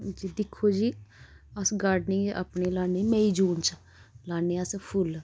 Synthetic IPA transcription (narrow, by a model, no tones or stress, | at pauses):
d͡ʒid̪ɪkʰːoːd͡ʒiːəsɡaːɾɖnĩːeʔa̰pɳeːlaːneːmeːiːd͡ʒuːnt͡ʃ | laːneːəspʰʊl